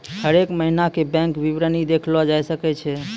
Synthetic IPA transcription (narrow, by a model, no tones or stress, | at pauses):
həɾekməɦinakebɛ̃ŋkʋiʋɾənid̪ekʰlɔd͡ʒajsəkɛt͡ʃʰɛ